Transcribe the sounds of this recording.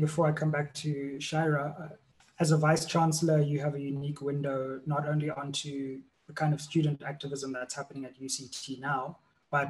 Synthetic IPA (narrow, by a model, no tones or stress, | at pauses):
bɪfɔːɹaɪkʰãmbæk̚tʰuʃaɪɹə | əzəvaɪst͡ʃʰɹãnsləjuəvəjunikʰwɪ̃ndoʊnɔtõʊ̃nliʔɔ̃ntʰu | ðəkʰãɪ̃ndɔvstjuːdəntæk̚təvɪzə̃mðætshæpənɪ̃ŋətjuːsitʰinaʊ | b̥at